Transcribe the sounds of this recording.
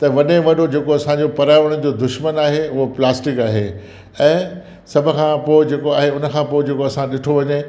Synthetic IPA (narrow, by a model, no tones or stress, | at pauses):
t̪ɐʋɐɗẽʋɐɗod͡ʑeːkoɐsãɲd͡ʑopɐɾaːɪʋəɽ̃ə̆d͡ʑoːd̪ʊʃmənaːɦeʊɦoplaːsʈɪkaːɦḛ | ɛ̃ː | sɐbʱʊ̆kʰãpoːɪd͡ʑeːkoaːɦeʊnə̆kʰãːpoːɪd͡ʑeːkoɐsãɗɪʈʰoʋɐɲe